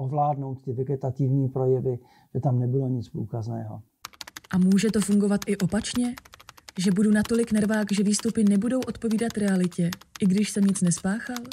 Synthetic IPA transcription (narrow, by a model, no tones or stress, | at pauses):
ʔovlaːdno̞wt̪t̪ɪvɛɡɛt̪at̪ɪvɲiːpɾo̞jɛvɪ | ʒ̥ɛt̪amnɛbɪloɲɪt͡spɾuːkaznɛːɦo̰ | ʔamuːʒɛt̪o̞fuŋɡo̞vat̪ʔɪʔo̞pat͡ʃɲɛʒɛbudunat̪o̞lɪknɛɾvaːkʒɛviːst̪upɪnɛbudo̞wʔo̞t̪̚po̞viːdat̪ɾɛalɪcɛʔɪɡdɪʃsɛmɲɪt͡snɛspaːxal